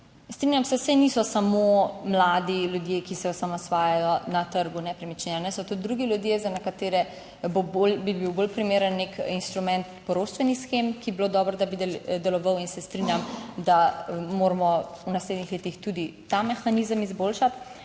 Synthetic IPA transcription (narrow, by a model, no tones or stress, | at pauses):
st̪ɾinjamsɛsɛnisɔsamomlad̪iljud̪jekisɛɔsamasʋaːjajɔnat̪əɾɡunɛpɾɛmit͡ʃnɛanɛsɔt̪ud̪ɾuɡiljud̪jezanɛkat̪eːɾɛ | bobolbibiwbolpɾimeːɾənːekinst̪ɾumɛ̃nt̪pɔɾoːʃt̪ʋɛnixsxemkibilod̪ɔːbɾɔd̪abid̪ɛd̪ɛlɔʋəwinsɛst̪ɾinjamd̪amoɾmɔunasled̪nixleːt̪ixt̪ud̪it̪amɛxanizəmizboːlʃat̪